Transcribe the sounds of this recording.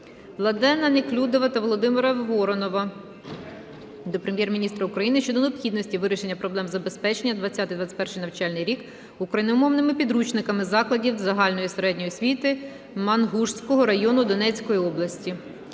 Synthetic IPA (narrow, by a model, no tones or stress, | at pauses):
ʋlˠɐd̪ɛnɐneklʲud̪ɔʋɐt̪ɐʋɔlˠɔd̪ɪmɪɾɐʋɔɾɔnɔʋɐ | d̪ɔpɾemʲjɛrmʲinʲist̪ɾɐukɾɐjinɪʃt͡ʃɔd̪ɔneɔpxʲid̪nɔsʲtʲiʋɪɾʲɪʃe̞nʲːɐpɾɔblˠɛmzɐbespɛt͡ʃenʲːɐd̪ʋɐt͡sʲːat̪ɪjd̪ʋɑt͡sʲɪ̥tʲpɛrʃɪjnɐwt͡ʃɑlʲnɪjɾʲik | ukɾɐjnɪumɔwnɪmɪpʲid̪ɾut͡ʃnɪkɐmɪzɑklˠɐdʲiwzɐɦɑlʲnɔjiseɾɛdʲnʲɔjʊsʲʋʲit̪ɪ | mɐnɦuʂsʲkɔɦɔɾɐjɔnʊd̪ɔnɛt͡sʲkɔjiɔblˠɐsʲtʲi